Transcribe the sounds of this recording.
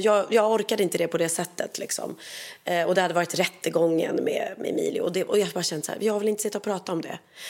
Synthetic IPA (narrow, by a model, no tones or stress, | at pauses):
jɑːɡjɑːɡɔɾkad̪əɪnt̪əd̪ɛpʰɔd̪ɛsɛt̪ʰːət̪lɪksɔ̰m | ɔd̪ɛhad̪əvɑːɾɪt̪ɾɛt̪ːəɡɔŋːə̰nmɛ̰mɛ̰ɛ̰mḭːlɪ̰ɔ̰d̪ɛʔɔjɑbɑːɾaɕɛnd̪sæ̰ːvɪjɑːhaɾvɪlɪnt̪əsɪt̪ːaɔpʰɾɑːt̪aɔmd̪ɛ̰